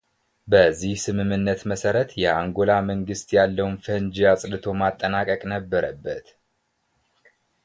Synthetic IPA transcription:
bəzːihsɨmɨmːɨnːət̪məsəɾət̪jɛʔaŋɡo̞laməŋɡɨst̪jalːəwnfənd͡ʒiasʼd̪ɨt̪ʰo̞mat̪ʼːənakʼəkʼnəbːəɾəbːət̪

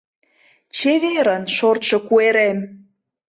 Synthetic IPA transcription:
t͡ɕeβeɾənʃort̪ʃŏkueɾem

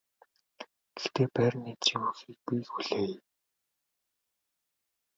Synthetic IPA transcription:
ɡ̥ext̪eːpæːrnitt͡ɕʰiŋuːxiːk̚piːxxuɮeːj

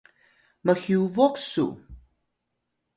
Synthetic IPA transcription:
məxiuvɔksṵ

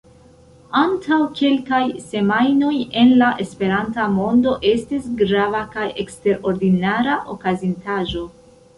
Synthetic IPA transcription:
antʰawke̞lkajse̞majno̞je̞nlaʔe̞spe̞ɾantamo̞ndo̞ʔe̞stisɡɾavakaje̞kste̞ɾo̞ɾdinaɾaʔo̞kazintaʒo̞

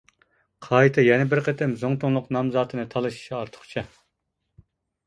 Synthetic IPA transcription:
qʰɑjt̪ʰɨjɛnɪbɪɾqʰət̪ʰɪmzoŋt̪ʰoŋlˠʊqnɑmzɑːt̪ʰɨnɨt̪ʰɑlˠɨʃi̥ʃiɑɾt̪ʰə̥χt͡ʃʰɑ

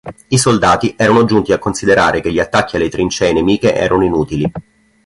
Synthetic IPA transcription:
isold̪aːt̪iʔɛːɾanod͡ʒunt̪iakːonsid̪eɾa̰ːɾekeʎːiat̪ːakːialːet̪ɾint͡ʃɛːnemiːkeʔɛ̰ːɾanoinuːt̪ili

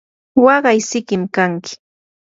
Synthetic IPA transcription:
wɑɢɑjsɪkɪmkaŋkɪ̥

